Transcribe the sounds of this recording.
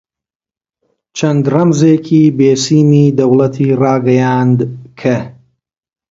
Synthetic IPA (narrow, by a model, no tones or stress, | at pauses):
t͡ʃʰɐnd̪rɐmzeːkʰiːbeːsiːmiːd̪ɐwlɐt̪ʰiːrɑːɡɐjaːnd̪kʰɐ